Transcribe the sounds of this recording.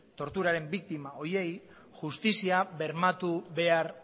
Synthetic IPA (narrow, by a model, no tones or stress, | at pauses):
t̪o̞ɾt̪uɾaɾe̞mbik̚t̪imao̞je̞j | ʝust̪isiaβe̞ɾmat̪uβe̞aɾ